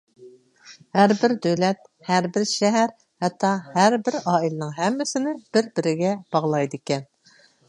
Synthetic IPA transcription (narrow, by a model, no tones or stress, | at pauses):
hæɾbɪɾd̪øwlɛt̪̚ | hæɾbɪɾʃɛɦæɾ | hɛt̪ʰːɑhæɾbɪɾɑːilɪnɨŋɦɛmːɪsɪnɪb̥ɪɾbɪɾɪɡʲɛb̥ɑʁlˠɑjd̪ɨkʲɛn